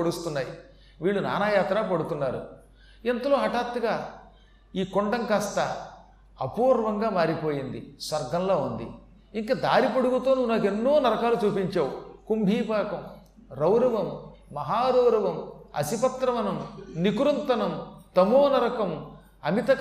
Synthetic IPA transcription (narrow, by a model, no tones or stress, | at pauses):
oɽust̪unːaːji | ʋiːɭːuna̰ːnaːjaːt̪ɾaːpɐɽut̪unːaːɾṵ | ent̪ɐlo̞ːɦɐʈaːt̪ːuɡaː | iːkoɳɖɐŋkaːst̪ɐ | ɐpuːɾʋɐŋɡaːmaːɾipo̞ːjind̪ḭsʋɐɾɡʱɐnloːund̪ḭ | iŋkɐd̪aːɾipɐɽuɡut̪oːnunaːke̞nːoːnɐɾɐkaːlut͡ʃuːpiɲt͡ʃaːwukumbʱiːpaːkɐm | ɾɐwɾɐʋɐmː | ɐɦaːɾɐwɾɐʋɐmɐ̰sipɐt̪ɾɐmɐnɐmnikuɾɐnt̪ɐnɐmt̪ɐmoːnɐɾɐkɐm | ɐmit̪ɐ